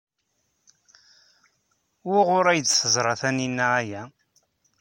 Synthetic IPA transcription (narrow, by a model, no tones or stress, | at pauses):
wʊʁʊɾæjd̪θəzˤɾˤɑθæninːææjæ